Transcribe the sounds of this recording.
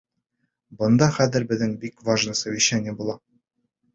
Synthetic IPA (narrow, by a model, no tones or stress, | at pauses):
bɤ̆nd̪ɑχæðɘ̆ɾbɘ̆ðnɘŋbikvaʒnɤsɤwiɕænʲɘbulˠɑ